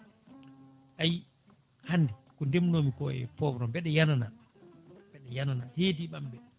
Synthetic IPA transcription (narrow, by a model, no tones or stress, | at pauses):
ʔaji | hanːdɛkɔndemnoːmikɔɛ̰fɔbɾɔmbɛɗɛjanana | mb̥ɛɗɛjananahetiɓambɛ